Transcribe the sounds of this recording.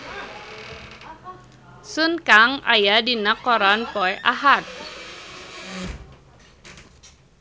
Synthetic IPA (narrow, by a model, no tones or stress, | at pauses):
sunkaŋa̰jadinakɔɾanpɔjʔaɦat̪̚